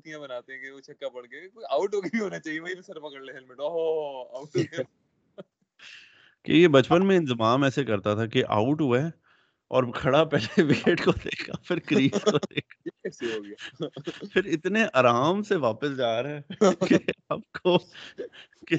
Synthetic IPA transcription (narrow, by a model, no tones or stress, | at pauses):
t̪ijãbɐnaːt̪eɛ̃keot͡ʃʰɐkːapɐɽkekoːiaːʊʈɦoːɡəbiɦoːnat͡ʃaːɦieʋɐibisɐɾpɐkəɽleɦɛlmɪʈoɦoaːʊʈoɡ | kḛjebɐt͡ʃpənmẽɪ̃nzɪmaːmɛːsekɐɾt̪at̪ʰakeʔa̰ːʊʈɦueː | ɔ̰ːɾkʰɐɽapɛːleʋeeːʈkod̪ḛːkʰafʰɪɾkɾiːod̪eːkʰaseɦoːɡ | fʰɪɾɪt̪neʔaːɾaːmseʋaːpəsd͡ʒaːɾɦɛːkeaːp̚ko | ke